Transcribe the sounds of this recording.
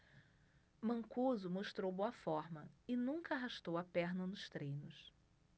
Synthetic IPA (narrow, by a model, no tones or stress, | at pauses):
mɐ̃ŋkuzʊmoʃt̪ɾowboɐfɔɾmɐɪnũŋkɐaɦaʃt̪owɐpɛɾnɐnʊʃt̪ɾẽjnʊs